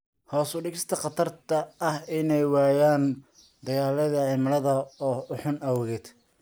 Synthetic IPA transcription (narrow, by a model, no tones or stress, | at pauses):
hɔːsʊɖɪɣɪst̪ʰɐqɑt̪ʰɐrt̪ʰɐɐhɪnɛjwɑːjaːn | d̪ɐɣaːlɐðɐʕɪmɐlɐðɐɔːʊħʊnɐwɔɣɛd̪